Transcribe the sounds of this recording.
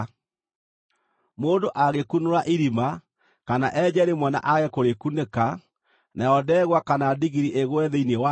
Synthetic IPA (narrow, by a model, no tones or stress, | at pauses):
moːndoʔaɣekunoɾaʔiɾima | kanaʔɛd͡ʑɛɾemwɛna̰ʔaɣɛkoɾekuneka | najɔdɛɣwakanadiɣiɾiʔeɣoɛðeiniɛwa